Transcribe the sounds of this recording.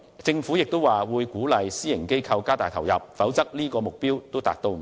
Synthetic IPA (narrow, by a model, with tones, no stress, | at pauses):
t͡sɪ˧ŋfuː˨˥jɪ˨k̚t̪o˥waː˨wuː˨˧jkuː˨˥lɐ˨˧jsiː˥jɪ˨˩ŋke˥jkʰɐ˧wkaː˥t̪aː˨jt̪ʰɐ˨˩wjɐ˨p̚fɐ˨˥wt͡sɐ˥k̚liː˥kɔː˧mʊ˨˩k̚piː˥wt̪o˥wt̪a̰ː˨k̚t̪o˧w